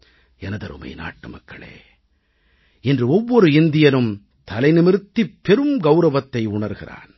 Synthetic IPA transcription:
ɛnɐðɐɾɯ̰mɐ̰ɪna̰ːʈːɯmɐkːɐ̰ɭḛː | ɛndrɯɔʋːɔɾɯɪnd̪ɪjɐnɯm | t̪ɐlɐɪnɪmɪɾɯt̪ːipːɛɾɯmɡɐʊɾɐʋɐt̪ːɐɪʊɳɐɾɣɪra̰ːn

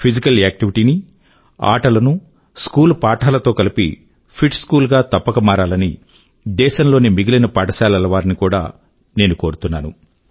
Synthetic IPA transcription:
pʰid͡ʒikɐlaːk̚ʈiʋiʈiːni | a̰ːʈɐlɐnu | skuːlpaːʈʰaːlɐt̪o̞ːkɐlipḭ | pʰiʈskuːlɡaːt̪ɐpːɐkɐmaːɾaːlɐni | d̪ɛːʃɐnlo̞ːnimiɡilɐnɐpaːʈɐsaːlɐlɐʋaːɾinikuːɽa̰ː | ne̞ːnuko̞ːɾut̪unːaːnṵ

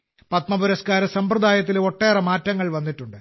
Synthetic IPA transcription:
pɐt̪mɐbuɾɐskaːɾɐsɐmprɐd̪aːjɐt̪̬ːilo̞ʈːe̞ːrɐmaːtːɐŋːɐɭʋɐnːiʈːuɳɖɨ

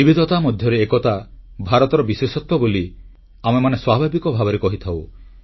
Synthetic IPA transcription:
ibid̪ʱɔt̪amɔd̪ʱjɔɾeːkɔt̪abʱaɾɔt̪ɔɾɔbiswesɔt̪wɔboli | amemaneswabʱabikɔbʱabɔɾekɔɦit̪ʰaw

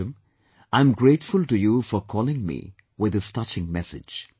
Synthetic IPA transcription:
ə̃m | ãɪ̃mɡɾeːʈfʊlʈujufɔɾkʰɔːlɪ̃ŋmḭː | wɪd̪ɪsʈʌt͡ʃɪ̃ŋmɛsɪ̰d͡ʒ

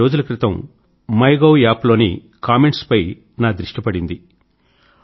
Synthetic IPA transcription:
o̞ːd͡ʒulɐkɾit̪ɐm | mɐjɡɐwjaːplo̞ːnḭ | kaːme̞ɳʈspɐj | naːd̪ɾiʂʈɐpɐɽind̪i

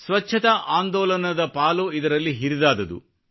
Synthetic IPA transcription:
sʋɐt͡ʃːʰɐt̪ɐʔaːnd̪ɔːlɐnɐd̪ɐpaːluid̪ɐɾɐlːiɦiɾid̪aːd̪ɐd̪ṵ

